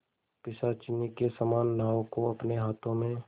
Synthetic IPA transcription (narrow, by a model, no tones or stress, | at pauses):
pɪsat͡ʃɪnikesəmaːnːaːõkoɐpneɦaːt̪ʰõmẽ